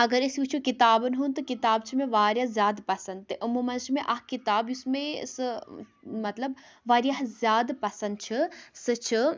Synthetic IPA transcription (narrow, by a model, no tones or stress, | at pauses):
ɐɡɐɾisjut͡ʃʰukit̪aːbɐnɦunt̪ɨkit̪aːb̚t͡ʃʰimẽʋaːɾjazjaːd̪pɐsɐnd̪̚t̪ɨʔumumɐnt͡ʃʰimẽʔɐɦkit̪aːbjusmẽsɨ | mɐt̪lɐbʋaːɾijaɦzʲjaːd̪pɐsɐnd̪̚t͡ʃʰisɨt͡ʃʰi